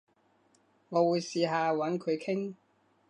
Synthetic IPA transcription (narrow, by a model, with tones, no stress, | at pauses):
ŋɔː˨˧wuː˨˧jsiː˧ɦaː˨˧wɐ˨˥nkʰɵ˨˧ɥkʰɪ˥ŋ